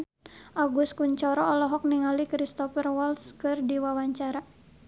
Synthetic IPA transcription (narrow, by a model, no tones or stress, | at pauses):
ʔaɡuskuɲt͡ʃɔɾɔɔlɔɦɔk̚niŋalikɾist̪ɔfərwɔlskɨrdiwawaɲt͡ʃaɾa